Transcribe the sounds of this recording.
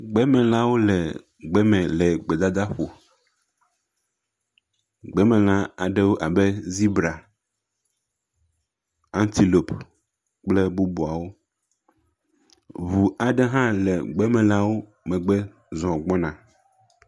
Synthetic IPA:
ɡ͡bɛ˦mɛ̃˨la˦wo˦lɛ˨ | ɡ͡bɛ˦mɛ̃˨lɛ˨ɡ͡bɛ˨d̪a˦d̪a˦ɸo˨ | ɡ͡bɛ˦mɛ̃˨lã˦a˨ɖe˦wo˦ʔa˨bɛ˦zi˦bɾa˨ | ã˦nt̪i˦lo˨p | k͡plɛ˦bu˦bu˨a˨wo˦ | vu˨a˨ɖɛ˦ɦã˦lɛ˨ɡ͡bɛ˦mɛ̃˨la˦wo˦ | mɛ̃˨ɡ͡bɛ˦ | zɔ̃˨ɡ͡bɔ˦nã˨

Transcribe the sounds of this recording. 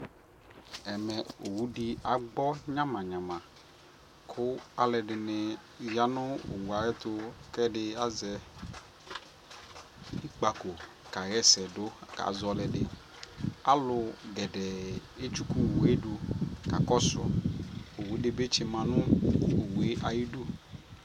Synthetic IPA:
ɛ˨mɛ̃˨o˨wu˦dɪ˦a˨ɡ͡bɔ˦ɲã˦mã˨ɲã˨mã˨ | kʰʊ˦a˨lɛ˨dɪ˨nɪ˨ | ja˦nʊ̃˦o̰˨wu˨a˨ɣɛ˦t̪ʊ˦kɛ˦dɪ˦a˦zɛ˨ | i˦k͡pa˨ko˨ | ka˨ɣɛ˦sɛ˨dʊ˦˨ka̰˨˦zɔ˨lɛ˨dɪ˦ | a˦lʊ˨ɡɛ˨dɛ˨e˦t͡ʃu˦ku˦˨wu˨e˦du˦ka˨kɔ˦sʊ˨ɔ̰˨o˨wu˨˦dɪ˦be˦t͡ʃɪ˦mã˨nʊ̃˦o˨wu˨e˦ʔa˨ji˦du˦

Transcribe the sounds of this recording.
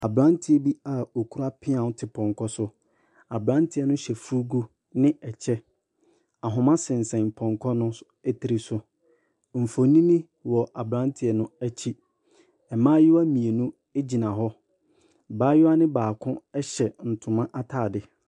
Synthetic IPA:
a˨bɾã˦ntʰɪ˦ɛ˨bi˦a˨o˨kʰu˦ɾa˦pʰɪ˦ã˨˦tʰɪ˨pʰɔ̃˨ŋkʰɔ˦sʊ˦ | a˨bɾã˦ntʰɪ˦ɛ˦nʊ̃˦ɕɛ˨fu˦ɡu˦ | nɪ̃˦ɛ˨t͡ɕʰɛ˦ | a˨ɦʊ̃˨mã˦sɪ̃˨n˨sɛ̃˨npʰɔ̃˨ŋkʰɔ˦nʊ̃˦ | ɛ˦tʰi˨ɾi˨sʊ˨ | m̩˨fõ˨nĩ˦mĩ˦ | wɔ˨ʔa˨bɾã˦n˦tʰɪ˦˨ɛ˨nʊ̃˦æ˦t͡ɕʰi˦ | ɛ˨mãː˦jɪ˦wa˦mĩ˨e˨nũ˦ | e˦d͡ʑi˨nã˨ɦɔ˦ | baː˨˦jʊ˦a˦nɪ̃˦baː˨kʰʊ̃˦ɛ˦ɕɛ˨n̩˨tʰʊ̃˨mã˦ʔa˦tʰaː˦˨dɪ˨

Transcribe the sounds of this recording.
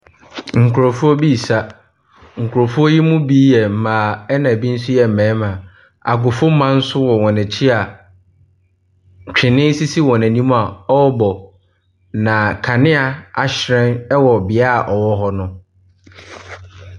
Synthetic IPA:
ŋ̩˨kʰʊ˨ɾo˨fu˦ɔ˦bi˦˨sa˦ | ŋ̩˨kʰʊ˨ɾo˨fu˦ɔ˦ji˦mʊ̃˦bi˦jɛ˨m̩˨mãː˨ɛ˦nã˨bi˦n̩˦sʊ˦jɛ˨m̩˨mɛ̃ː˨˦mã˨ | a̰˨ɡʊ˨fʊ˦mã˦n̩˦sʊ˦wɔ˨wɔ̃˨næ̃˨t͡ɕʰi˦a˨ | t͡ɕᶣɪ˨nɪ̃˦n̩˦si˦si˦wɔ˨næ̃˨nĩ˦mũ˦a˨ɔ˦bɔ˨ | nã˨kʰa˨nɪ̃˦a˨a˨ɕɾɛ̃˦nɛ˦wɔ˨bɪ˨a˦˨ʔɔ˨wɔ˦ɦɔ˦nʊ̃˦

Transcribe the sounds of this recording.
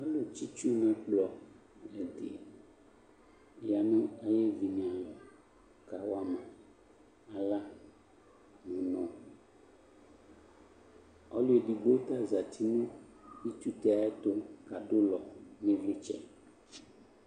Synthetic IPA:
ɔ˦lo˨t͡ɕi˦t͡ʃu˦nã˦k͡plɔ˨ | lɛ˨d̪ḛ˨ | ja˨nã˦e˦je˦vi˨ɲ̃˨ã˨lɔ˨ | ka˨wa˦mã˨ | a˨la˦ | nɔ̃˨nɔ̃˨ | ɔ˦lo˦e˨ɖi˨ɡ͡bo˦t̪a˦za˨t̪ʰi˦nũ˦i˦t̪u˦t̪ɛ˦a˨e˦t̪o˦ka˨ɖo˦lɔ˨nĩ˦vli˦t͡ʃɛ̰˦

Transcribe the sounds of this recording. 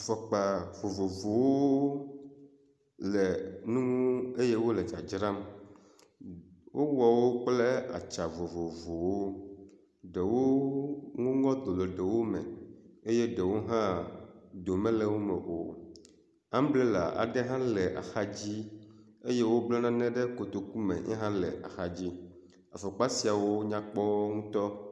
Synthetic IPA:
fɔ˨k͡pa˨vo˨vo˨vo˨wo˦ | lɛ˨nũ˦ŋũ˦e˦je˦wo˦le˨d͡ʒa˨d͡ʒɾã˦m | wʔo˦wɔ˨wo˦k͡ple˦a̰˨t͡ʃa˨vo˨vo˨vo˨wo˦ | ɖe˨wo˦ŋũ˦ŋɔ̃˦d̪o˨le˨ɖe˨wo˦me˨e˦je˦ɖɛ˨wo˦ɦã˦d̪o˨mɛ̃˦lɛ˦wo˦mɛ˨ʔo̰˨ | a˦m˦blɛ˦la̰˨ʔa̰˨ɖɛ˦ɦã˦lɛ˨ʔa̰˨xa˦d͡ʑi˦ | e˦je˦wo˦blɔ˦nã˦nɛ̃˦ɖɛ˦ko˨t̪o˨ku˦mḛ̃˨ɲɛ̰˦ɦã˦lɛ̰˨ʔa̰˨xa˨d͡ʑi˦ | a˨fo˨k͡pa˦si˨a˨wo˦ɲã˦k͡pɔ˦ŋũ˦t̪ɔ˦

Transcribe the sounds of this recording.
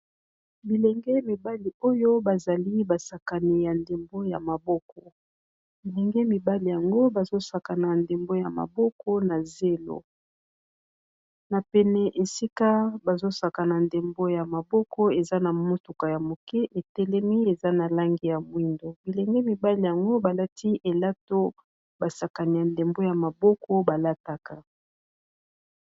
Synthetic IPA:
bi˨lɛ˨ŋɡɛ˦mi˨ba˦li˨o˦jo˦ba˨za˨li˦ba˨sa˨ka˨ni˨ja˨nde˨mbo˦ja˨ma˨bɔ˦kɔ˨ | bi˨lɛ˨ŋɡɛ˦mi˨ba˦li˨ja˨ŋɡo˦ba˨zo˦sa˨ka˨na˨nde˨mbo˦ja˨ma̰˨bɔ˦kɔ˦na˨ze˦lo̰˨ | na˨pɛ˨nɛ˨ʔe˨si˦ka˦ba˨zo˦sa˨ka˨na˨nde˨mbo˦ja˨ma˨bɔ˦kɔ˦e˨za˦na˨mo˦tu˨ka˨ja˨mo˨kɛ˦ʔe˨tɛ˦lɛ˦mi˦e˨za˦na˨la˦ŋɡi˦ja˨mwi˦ndo˨bi˨lɛ˨ŋɡɛ˦mi˨ba˦li˨ja˨ŋɡo˦ba˨la˦tʰi˦ʔe˨la˦to˦ | ba˨sa˨ka˨ni˨ja˨nde˨mbo˦ja˨ma˨bɔ˦kʰɔ˦ba˨la˦ta˦ka˨

